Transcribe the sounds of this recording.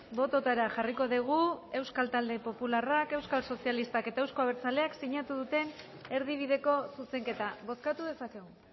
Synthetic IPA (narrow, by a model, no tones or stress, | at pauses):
bo̞t̪o̞t̪aɾaʝariko̞ðiɣ̞ue̞wskalt̪ald̪e̞po̞pularake̞wskalso̞sialist̪ake̞t̪aewsko̞aβeɾt͡sale̞aksiɲat̪uðut̪e̞n | e̞ɾð̞iβ̞iðe̞ko̞suse̞ŋke̞t̪aβo̞skat̪uðe̞sake̞ɣ̞u